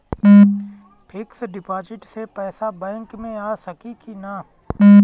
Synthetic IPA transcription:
pʰɪksɖɪpaːd͡ʒɪʈsepɛːsabɛ̃ːŋkmẽaːsɐkikina

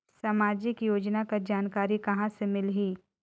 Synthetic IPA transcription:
samaːd͡ʒɪkjoːd͡ʒnakad͡ʒaːnkaːɾikɐɦãsemɪlɦiː

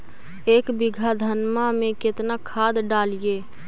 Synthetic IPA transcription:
ekbiɡʱad̪ʱənmamẽket̪nakʰad̪ɖalije

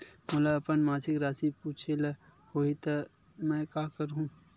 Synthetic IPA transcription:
mɐlaɐpənmaːsɪkɾaːsipuːt͡ʃʰelɐ | hoːit̪ɐ | mɛ̃ːkaːkɐɾɦũː

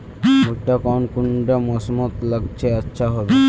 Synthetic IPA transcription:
buʈːakɔnkuɳɖamɔsmɔt̪laɡt͡ɕʰeatːʃʰaɦɔbe

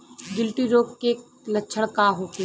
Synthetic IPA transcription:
ɡɪlʈiɾoːkke | lɐtːʃʰəɽ̃kaɦoːke

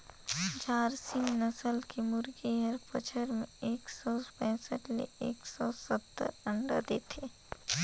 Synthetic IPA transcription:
d͡ʒaːɾsɪ̃ŋnəsəlkemʊɾɡiɦəɾpət͡ʃʰəɾmẽeːksɔpɛ̃ːsəʈlḛeːksɔsət̪ːə̰ɾə̃ɳɖa̰d̪eːt̪ʰeː

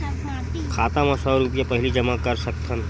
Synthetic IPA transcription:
kʰaːt̪ãmãsɔːɾupjapɐɦɪlid͡ʒɐmakɐɾsɐk̚t̪ʰən

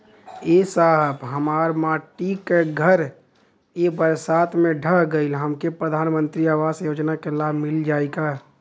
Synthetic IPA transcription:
eːsaːɦəbɦəmaːɾmaːʈikeɡʱəɾ | jebəɾsaːt̪ʰmẽɖʱəɦɡəɪlɦəmkepɾəd̪ʱaːnmə̃nt̪ɾiaːʋaːsjoːd͡ʒnakelaːbʱmɪld͡ʒaːeɡaː

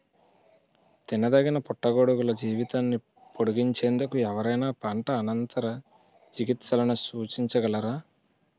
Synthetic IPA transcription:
t̪inɐd̪ɐɡinɐpɔʈːɐɡoːɽuɡulɐd͡ʒiːʋit̪aːnːi | poɽuɡiɲt͡ʃeːnd̪ɐkuɛʋɐɾɐjnaːpaːɳʈɐːnɐnt̪ɐɾɐ | t͡ʃiɡit̪sɐlɐnusuːt͡ʃiɲt͡ʃɐɡɐlɐɾaː

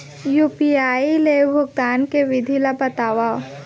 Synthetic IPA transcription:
juːpiaːilebʱʊɡt̪aːnkeʋɪd̪ʱilabɐt̪aːwa

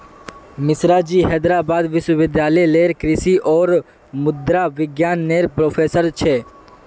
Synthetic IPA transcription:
mɪsɾaːd͡ʒiːɦɛːd̪ɾaːbaːd̪ʋɪʃwəʋɪd̪ʱjaːlɛjleːɾkɾɪsiʔɔːɾ | mʊd̪ɾaʋɪɡjaːnːeːɾpɾoːfʰeːsəɾt͡ʃʰeː

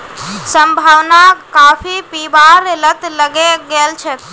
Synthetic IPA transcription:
səmbʱawnakapʰipibaɾelət̪ləɡeɡelt͡ʃʰɛt̪

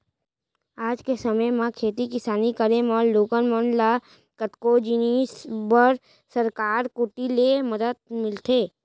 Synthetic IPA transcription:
aːd͡ʒkesəməjmãkʰeːt̪ikɪsaːnikəɾemɔːɾloːkənmɔːnla | kət̪kod͡ʒinisbəɾ | səɾkaːɾkʊʈilemɐd̪əd̪̚mɪlt̪ʰeː

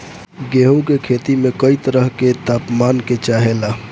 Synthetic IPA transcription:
ɡeɦukekʰet̪imekəit̪əɾəɦket̪apmanket͡ʃaɦela

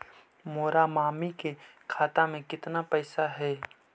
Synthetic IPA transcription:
moːɾamaːmikekʰaːt̪amẽkɪt̪napɛːsaɦɛː

